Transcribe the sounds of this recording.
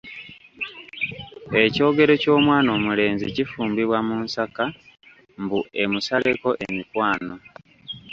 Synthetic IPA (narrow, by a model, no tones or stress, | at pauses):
e̞co̞ːɡe̞ɾe̞co̞ːmwaːno̞ːmule̞ːnzḭcifuːmbiβwamunsaka | mbue̞musale̞ko̞ʔemikwaːno̞